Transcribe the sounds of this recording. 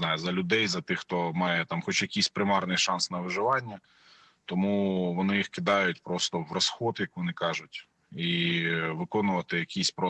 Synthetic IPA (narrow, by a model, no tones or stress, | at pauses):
nɑjʊzɐlʲʊd̪ɛjzɐt̪ɪxt̪ɔmɑjɛt̪ɑmxɔt͡ʃjɐkʲijsʲpɾɪmɑrnɪjʃɑnsnɐʋɪʒɪʋɑnʲːɐ | t̪ɔmuʋɔnɪjixkɪd̪ɑjʊtʲpɾɔst̪ɔwrɐsxɔd̪jɐkʋɔnɪkɑʒʊtʲ | iʋɪkɔnʊʋɐt̪ɪjɐkʲisʲpɾɔ